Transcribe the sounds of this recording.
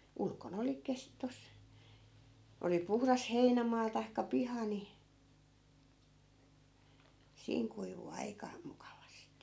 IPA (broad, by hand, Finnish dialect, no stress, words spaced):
ulkon oli kes tos oli puhrɑs heinæmɑː tɑi̯kːɑ pihɑ ni siːŋ kuiʋu ɑikɑ mukɑʋɑsti